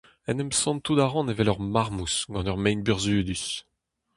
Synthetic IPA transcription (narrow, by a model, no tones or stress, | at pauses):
ɛnɛmsɔ̃nt̪ud̪aʁɑ̃nevɛlœʁmaʁmusɡɑ̃œʁmɛjnbyʁzyːd̪ys